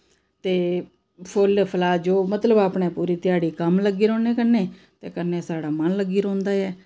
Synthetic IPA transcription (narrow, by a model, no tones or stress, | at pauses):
t̪eː | pʰʊlpʰəlaːd͡ʒoːmət̪ləbaːpɳeːpuːɾiːt̪ɪjaːɽiːkəmləɡiːɾõːneːkəɾnẽː | t̪eːkəɾneːsaːɽaːmənləɡːiːɾõːnd̪aːɛː